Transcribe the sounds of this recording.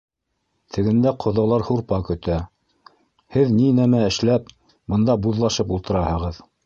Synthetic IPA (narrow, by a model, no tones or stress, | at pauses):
t̪ʰɘ̆ɡɘ̆nd̪æqʰŏðɑlˠɑɾhuɾpɑkɵ̆t̪æ | hɘðninæmæɘ̆ʃlæp̚ | bɤ̆nd̪ɑbuðlˠɑʃɤpulˠt̪ɤ̆ɾɑhɤ̆ʁɤð